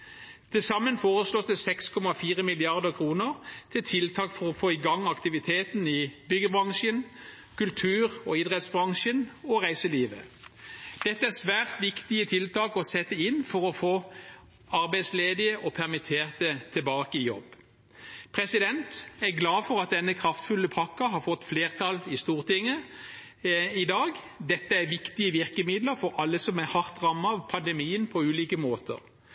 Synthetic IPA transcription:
t̪ʰɪlsɑmːənfoːʁəsloːsd̪əsɛkskʰɔmɑfiːʁəmɪlɪɑʁd̪əʁkʰʁuːnəʁt̪ʰɪlt̪ʰɪlt̪ʰɑːkfɔʁɔfoːɪɡɑŋːɑkt̪ɪʋɪt̪ʰeːt̪nɪbʏɡəbʁɑŋʃən | kʉlt̪ʰʉːʁɔɪd̪ʁɛt̪sbʁɑŋʃənɔʁæɪsəliːʋə | d̪̥ɛt̪ːəæʁsʋæːʁt̪ʋɪkt̪ɪət̪ʰɪlt̪ʰɑːkɔsɛt̪ːəɪnːfɔʁɔfoː | ɑʁbæɪd̪sleːd̪ɪəʔɔpʰæʁmɪt̪ʰeːʁt̪ət̪ʰɪbɑːkəɪjɔ̰b | pʰʁɛsɪd̪ɛnt̪æʁɡlɑːfɔʁɑt̪̚d̪ɛnːəkʰɾɑft̪fʉlːəpʰɑkːɑhɑʁfɔt̪ːfleːʁt̪ʰɑlɪst̪uːʁt̪ɪŋːə | ɪd̪ɑːɡ | d̪ɛt̪ːəæɾʋɪkt̪ɪəʋɪʁkəmɪd̪ləɾfɔɾɑlːəsɔmæhɑʁt̪ʁɑmːɑɑʋpʰɑnd̪əmiːənpʰɔʉːliːkəmoːt̪ə̰ʁ

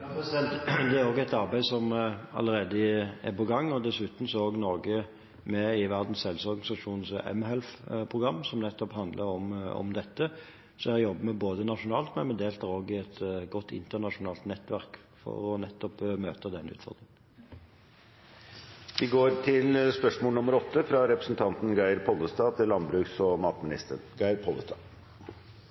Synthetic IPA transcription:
sɛnt̪d̪ɛæɾoːɡɛt̪ɑʁbæɪsɔmɑ̰ləʁeːd̪əɪæ̰pɔɡɑŋːɔd̪ɛsʉt̪n̩sɔoːɡnɔːɡə | mɛɪʋæʁd̪n̩sɛlsɔɾɡɑnɪsɑʂuːnsʔɛ̰mɦɛlfpʰʁʊɡɑmːsɔmnɛt̪ːɔphɑnd̪lʔəɾɔmɔ̰md̪ɛt̪ːə | sɔæɾjɔbːəmɛboːd̪ənɑʂʊnɑːlt̪mɛnmɛd̪eːlt̪ʰæɾoːɡɪɛt̪ɡɔt̪ːɪ̰nt̪əʁnɑʂʊnɑːlt̪nɛt̪ːʋæʁk | fɔ̰ɾɔnɛt̪ːɔpmøːt̪əd̪ɛnːʉ̰ːt̪fɔ̰ʁd̪ʁɪŋ | ʋɪɡoːɾʈʰɪlspœʂmoːlnʊməɾɔt̪ʰːəfɾɑɾɛpɾəsn̩t̪ʰɑnt̪n̩ɡæɪəɾpʰɔlːəst̪ɑːt̪ʰɪlɑnbɾʉːksɔmɑːt̪mɪnɪ̰st̪ə̰ɳɡɑɪɾpʰɔlːəst̪ɑː

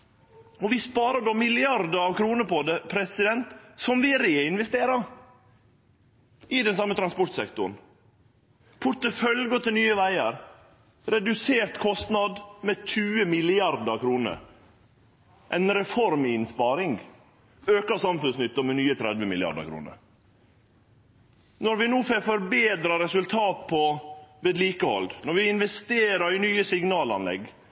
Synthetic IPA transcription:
ɔʋɪspɑːɾəɖoːmɪlɪɑɾd̪əɾɑʋkʰɾuːnəpʰɔd̪ɛpʰɾɛsɪd̪ɛnt̪sɔmʋɪɾeːɪnʋɛst̪eːɾɑ | ʔɪd̪ɛnsɑmːət̪ʰɾɑnspɔɾʈ̪sɛkt̪ʊɳ̩ | pʰʊɾt̪əfœlɡət̪ʰɪlnyːəʋæɪəɾ | ɾɛd̪ʉseːɾt̪kʰɔst̪nɑd̪mɛt̪ʰʉːəmɪlɪɑɾd̪əkʰɾuːnə̰ɾ | ʔæɪnɾɛfɔɾmɪnspɑːɾɪŋɡ | øːkəsɑmfʉnsnʏt̪ːɔmɛnyːət̪ʰɾɛd̪ʋəmɪlɪɑ̰ɖ̪ə̰kɾṵːnə̰ɾ | nɔɾʋɪnuːfefɔɾbeːd̪ɾəɾɛsʉlt̪ʰɑːt̪̚pʰɔʋeːd̪liːkəhɔ̰ld̪nɔɾʋɪɪnʋɛst̪eːɾəɾɪnyːəsɪŋnɑːlɑ̰nlɛ̰ɡ

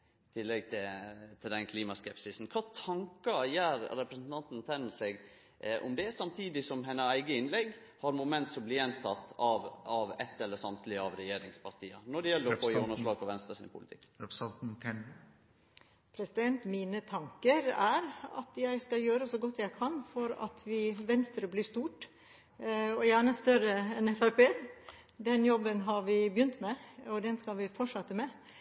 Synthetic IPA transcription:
ɪt̪ʰɪlːɛɡ̚t̪ʰɪt̪ʰɪld̪ɛnkʰliːmɑskɛpsɪsn̩kʰɑːt̪ʰɑŋkɑjæːɾːɛpɾəsn̩t̪ʰɑnt̪n̩t̪ʰɛnːəsɛɡ | ʔɔ̰md̪ɛsɑmt̪ʰiːd̪ɪsɔmɦɛnːəæɪɡəɪnlɛɡː | hɑɾmʊmɛnt̪sɔmblɪːjɛnt̪ʰɑt̪ːɑʋɑʋɛt̪ːɛlːəsɑmt̪ʰlɪɑʋɾɛjeːɾɪŋspʰɑɾʈ̪ʰiːənɔɖɛjɛlːəɾɔfoːjiːɔnəʂlɑːɡ̚pʰɔʋɛnst̪ɾɑsɪ̰npʰʊlɪt̪ʰɪ̰k̪ːn̩ɛ | pʰɾɛsɪd̪ɛnt̪miːnət̪ʰɑŋkəɾæɾɑ̰t̪jæɪskɑjøːɾəsɔɡɔt̪ːjæɪkʰɑnfɔɾɑ̰t̪ʰʋɪʋɛnst̪ɾəblɪːʂt̪uːʈ | ɔjæːɳəst̪œɾəɛnɛfæɾpeː | d̪ɛnjɔbːənɦɑɾʋɪbjʏnt̪mɛɔd̪ɛnskɑʋɪfɔʂɑt̪ːəmɛ

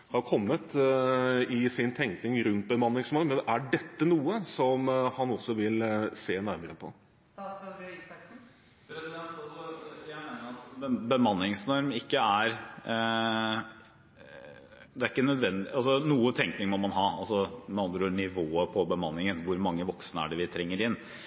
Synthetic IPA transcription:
hɑɾʊkʰɔmːət̪ | ɪsɪnt̪ʰɛŋknɪŋɾʉnt̪̚bəmɑnːɪŋsnɔɾmːɛnʔæɖɛt̪ːənuːəsɔmhɑnɔsːɔʋɪlseːnæɾməɾəpʰɔ̰ | s̩ | pʰɾɛsɪd̪ɛnt̪jæmeːnəɑt̪bəmɑnːɪŋsnɔɾmɪkːəæɾ | d̪ɛæɾɪkːənœd̪ʋɛnd̪ɪɑls̬ɔnuːət̪ʰɛŋknɪŋmɔmɑnɦɑːɑlsɔmɛɑnd̪ɾəɳɪʋoːəpʰɔbəmɑnːɪŋənʋʊɾmɑŋːəʋɔksnəæ̰ɖɛʋɪt̪ʰɾɛŋːəɾɪnː

